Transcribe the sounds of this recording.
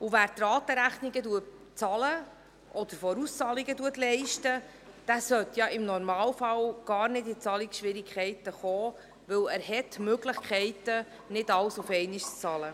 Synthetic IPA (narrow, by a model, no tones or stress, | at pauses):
uvæːɾt̪rɑːtəɾæχniɡəduət | t͡sɑlə | ɔd̥̪əɾfɔɾust͡sɑliɡəduətlɛɪʃtə | d̥æsœt̪jɑɪmnɔɾmɑːlfɑlɡ̥ɑːɾnɪtɪt͡sɑliksʃʋɪɾikʰχɛɪtəχɔː | ʋɵlæːɾhɛtmøɡləχkʰχɛɪtə | nɪtɑwsufɛɪniʃt͡st͡sɑlə